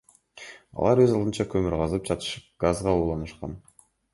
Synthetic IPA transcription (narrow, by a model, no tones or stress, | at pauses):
ɑ̰lˠɑɾwøzɑlˠd̪ɯnt͡ʃɑkʰømyɾʁɑzɯp̚d͡ʒɑt̪ɯ̥ʃɯp̚ɡ̥azʁɑlˠuːlˠɑnɯʃqɑ̰n